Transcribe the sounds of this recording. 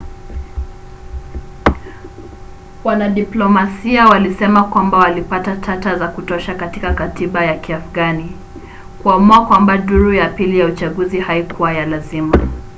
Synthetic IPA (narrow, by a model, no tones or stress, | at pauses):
wanaɗiplɔmasiawalisɛmakwambawalipatatʰatazakutɔʃakatikakatiɓajakiafɡani | kuamuakwambaɗuɾujapilijaut͡ʃaɠuzihaikuwajalazima